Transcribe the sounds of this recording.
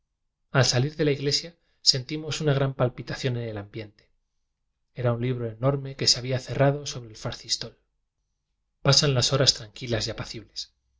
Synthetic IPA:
alsaliɾðe̞laiɣle̞sja | se̞nt̪imo̞sunaɣ̞ɾampalpit̪aθjo̞ne̞ne̞lambje̞nt̪e̥ | e̞ɾaunliβ̞ɾo̞e̞no̞ɾme̞ke̞seaβiaθe̞raðo̞so̞βɾeːlfaɾθist̪o̞l | pasanlaso̞ɾast̪ɾaŋkilazjapaθiβle̞s

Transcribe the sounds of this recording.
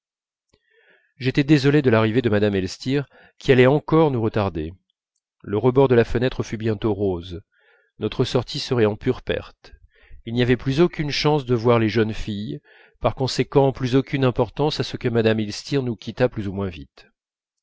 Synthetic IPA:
ʒet̪ɛd̪ezɔled̪əlaʁived̪əmad̪amɛlst̪iʁ | kʲialɛɑ̃kɔʁnuʁət̪aʁd̪e | ləʁəbɔʁd̪əlafənɛt̪χəfybjɛ̃t̪oʁoz | nɔt̪χəsɔʁt̪ʰisəʁɛɑ̃pyʁpɛ̰ʁt̪ | ilnijavɛplyzokʲynʃɑ̃sd̪əvwaʁleʒənfij | paʁkɔ̃sekɑ̃plyzokʲynɛ̃pɔʁt̪ɑ̃sasəkəmad̪amɛlst̪iʁnukʲit̪aplyzumwɛ̃vit̪

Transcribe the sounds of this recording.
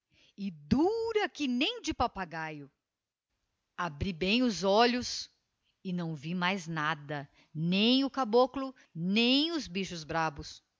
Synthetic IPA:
ɪd̪uɾɐkɪnẽj̃d͡ʒɪpapaɡajʊ | abɾibẽj̃ʊzɔʎʊs | ɪnɐ̃w̃vimajznad̪ɐ | nẽj̃ʊkaboklʊ | nẽj̃ʊzbiʃʊzbɾabʊs

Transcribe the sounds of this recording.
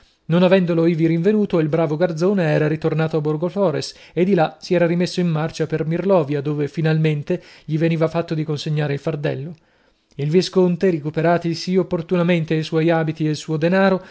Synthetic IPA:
nonavɛnd̪oloiviɾiɱvenuːt̪oilbɾaːvoɡard̪zoːneɛːɾaɾit̪ornaːt̪oaborɡofɔːɾesed̪ːilasiɛːɾaɾimesːoimːart͡ʃapermirlɔːvjad̪oːvefinalment̪eʎiveniːvafat̪ːod̪ikonseɲːaːɾeilfard̪ɛlːo | ilviskont̪eɾikupeɾaːt̪isiopːort̪unament̪eajswɔjaːbit̪ielsuːod̪enaːɾo

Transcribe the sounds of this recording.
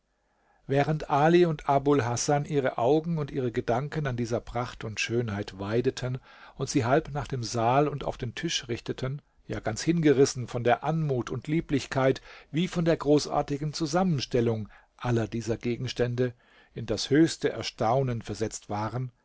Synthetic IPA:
vɛːʁ̞əntʔaːliʊntʰʔabʊlɦasanʔiːʁəʔaʊɡŋ̩ʊntʔiːʁ̞əɡədaŋkənandiːzɐpʁ̥aχtʊntʃøːnɦaɪtv̥aɪdətʰən | ʊntz̥iːɦalpnaːχd̥eːmzaːlʊnta̰ʊfd̥eːntʰɪʃʁɪçtətʰən | jaːɡant͡shɪnɡəʁɪsn̩fɔndeːɐʔanmuːtʊntʰliːplɪçkʰaɪtviːfɔndeːɐɡʁoːsʔa̰ːɐtɪɡŋ̩t͡suzamənʃtɛlʊŋ | ʔalɐdiːzɐɡeːɡŋ̩ʃtɛndə | ɪndashøːçstəʔɛ̰ɐʃtaʊnənfɛɐzɛt͡stv̥aːʁən

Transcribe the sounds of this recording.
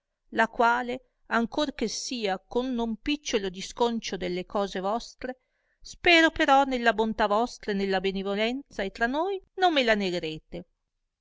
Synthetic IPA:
lakwaːle | aŋkorkesiːakonːompit͡ʃːolod̪iskont͡ʃod̪elːekɔːzevɔst̪ɾe | spɛːɾopeɾɔnelːabont̪avɔst̪ɾaenelːabenevolɛnt̪saet̪ːɾanːojnomːelaneɡeɾeːt̪e

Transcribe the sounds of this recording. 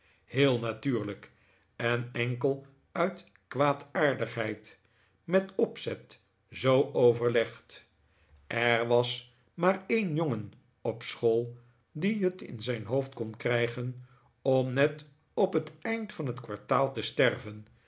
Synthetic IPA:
heːlˠnatyːɹlək | ɛnɛŋkəlˠ | œɥt | kʋaːtaːɹdəχɦɛjt | mɛtɔpsɛt | zowowvəɹlɛχt | ʔɛɹʋɑs | maːɹejnjoŋən | ɔpsχolˠ | diɦətɪ̰nzɛjnɦowftkɔnkrɛjχən | ɔmnɛt | ɔpɦətɛjntfɑnɦətkʋɑɹtaːlˠtəstɛrvən

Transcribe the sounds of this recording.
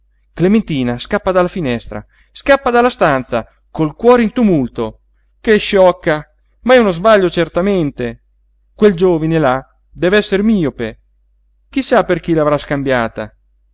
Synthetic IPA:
klement̪iːnaskapːad̪alːafinɛst̪ɾa̰ | skapːad̪alːast̪ant̪sa̰ | kolkwɔːɾeint̪umult̪o | keʃːɔkːa | maɛunozbaʎːot͡ʃert̪ament̪e | kweld͡ʒoːvinela | d̪ɛːvɛsːeɾmiːope | k̟isːaperk̟ilavɾaskambjaːt̪a̰

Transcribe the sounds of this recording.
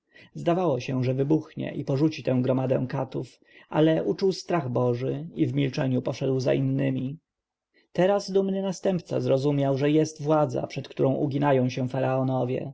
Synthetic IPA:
zd̪avawɔɕɛʐɛvɘbuxɲɛ̰ʔipɔʐut͡ɕit̪ɛ̃w̃ɡɾɔmad̪ɛ̰̃w̃kat̪uf | ʔa̰lɛʔut͡ʂuwst̪ɾaɣbɔʐɘivmʲilt͡ʂɛɲupɔʂɛd̪wza̰ʔinːɘmʲi | t̪ɛɾasd̪umnɘnast̪ɛmpt̪sa̰zɾɔzumʲjawʐɛjɛst̪vwad̪za̰pʂɛt̪kt̪uɾɔ̃w̃ʔuɡʲinajɔ̃w̃ɕɛ̃faɾaɔnɔvʲjɛ̰

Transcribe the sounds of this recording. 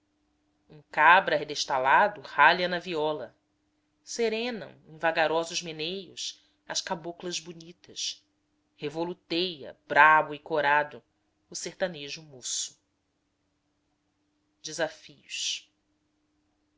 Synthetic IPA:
ũkabɾɐɦed̪eʃt̪alad̪ʊhaʎɐnɐviɔlɐ | seɾẽnɐ̰̃w̃ẽvaɡaɾɔzʊzmenejʊs | ɐʃkaboklɐzbunit̪ɐs | hevolut̪ejɐ̰bɾabʊɪkoɾad̪ʊː | seht̪aneʒʊmosʊ̥ | d͡ʒɪzafijuʃ

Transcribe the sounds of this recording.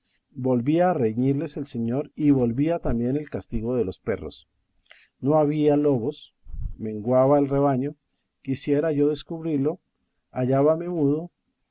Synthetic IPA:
bo̞lbiaːreɲiɾle̞se̞lse̞ɲo̞ɾiβo̞lβiat̪ambje̞ne̞lkast̪iɣo̞ðe̞lo̞spe̞ro̞̰s | no̞aβialo̞βo̞s | me̞ŋɡwaβaelre̞βaɲo̞ | kisje̞ɾaʝoðe̞skuβɾiɾlo̞ | aʝaβame̞muðo̞

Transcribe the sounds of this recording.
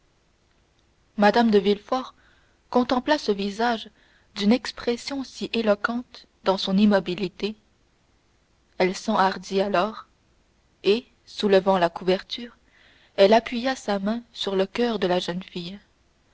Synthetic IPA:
mad̪amd̪əvilfɔʁ | kɔ̃t̪ɑ̃plasəvizaʒ | d̪ynɛkspχɛsjɔ̃siʔelɔkɑ̃t̪ | d̪ɑ̃sɔ̃nimɔbilit̪e | ɛlsɑ̃aʁd̪ialɔːʁ | e | suləvɑ̃lakuvɛʁt̪yːʁ | ɛlapʰɥijasamɛ̃syʁləkʲœːʁd̪əlaʒənfij

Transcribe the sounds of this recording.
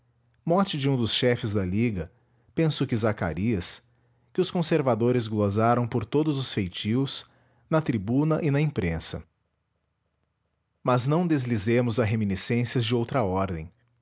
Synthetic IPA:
mɔt͡ʃɪd͡ʒɪũd̪ʊsʃɛfɪzd̪ɐliɡɐ | pẽsʊkɪzaka̰ɾiɐs | kɪʊskõseɾvad̪oɾɪzɡlozaɾɐ̃w̃poɾt̪od̪ʊzʊsfejt͡ʃiws | nɐt̪ɾibũnɐʔɪnɐẽpɾẽsɐ̰ | mɐznɐ̃w̃d̪ezlizẽmʊzɐɦeminisẽsiɐzd͡ʒɪowt̪ɾɐɔɾd̪ẽj̃

